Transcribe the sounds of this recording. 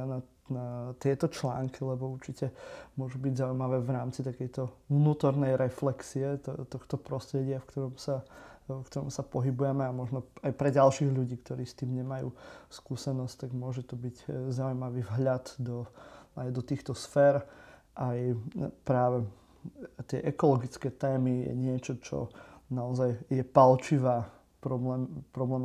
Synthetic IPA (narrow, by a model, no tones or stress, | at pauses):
na | nat̪ɪɛt̪ɔt͡ʃla̰ːŋkilɛbɔuɾt͡ʃicɛmʊɔʒubiɟzaujmaʋɛːʋɾaːmt͡sit̪akɛjt̪ɔvnuːt̪ɔɾnɛjɾɛflɛksiɛt̪ɔxt̪ɔpɾɔst̪ɾɛɟɪafkt̪ɔɾɔmsakt̪ɔɾɔmsapɔɦibujɛmɛamɔʒnɔajpɾɛɟalʃiːɣʎuɟiːkt̪ɔɾiːst̪iːmɲɛmajṵːskuːsɛnɔsct̪aɡmʊɔʒɛt̪ɔbiɟzaujmaʋiːvɦʎad̪d̪ɔajd̪ɔt̪iːxt̪ɔsfɛːɾ | ʔajpɾaːʋɛ | t̪ɪɛʔɛkɔlɔɡit͡skɛːt̪ɛːmijɛ̰ɲɪɛt͡ʃɔt͡ʃɔ̰naɔzajjɛpalt͡ʃiʋaː | pɾɔblɛːmpɾɔblɛːm